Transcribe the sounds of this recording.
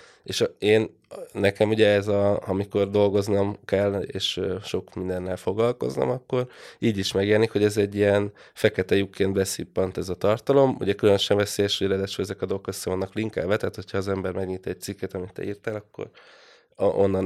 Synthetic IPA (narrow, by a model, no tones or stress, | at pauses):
eːʃeːn | nɛkɛmuɟɛɛzɒɒmiko̞rd̪o̞lɡo̞znɒmkɛlːḛːʃøʃo̞kmind̪ɛnːɛlfo̞ɡlɒlko̞̰znɒ̰mɒkːo̞riːɟiʃmɛɡeːnikho̞ɟɛzɛɟːijɛn | fɛkɛt̪ɛjukeːnd̪bɛsipːɒnt̪ɛzɒt̪ɒrt̪ɒlo̞mṵɟɛkylønøʃɛɱvɛseːjɛʃoɟɛɾɛd̪ɛʃoɛzɛkɒd̪o̞lokøsːɛvɒnːɒkliŋka̰ːvɛt̪ɛːt̪ho̞cʰhɒːzɛmbɛrmɛɡɲit̪ɛc̚t̪sikːɛt̪ɒmit̪ːɛ̰iːrt̪ælɒkːo̰ɾ | ʔo̰nːɒn